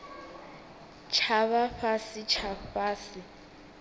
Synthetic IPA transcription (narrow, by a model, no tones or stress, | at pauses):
t͡ʃʰaβaɸasɪt͡ʃʰaɸaːsɪ